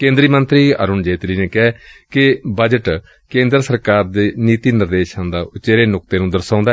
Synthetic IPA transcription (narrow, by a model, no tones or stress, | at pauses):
kẽːnd̪ɾiːmənt̪ɾiːə̰ːɾʊnd͡ʒeːt̪ɾiːneːkɛːkɪbəd͡ʒəʈ | kẽːnd̪əɾsəɾkaːɾd̪eːniːt̪iːnɪɾd̪eːʃənd̪aːʊt͡ʃeːɾeːnʊk̚t̪eːnũːd̪əɾsãːnd̪a